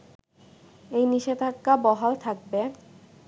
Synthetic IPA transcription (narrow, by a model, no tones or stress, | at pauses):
ejniʃed̪ʱakːabɔɦalt̪ʰak̚be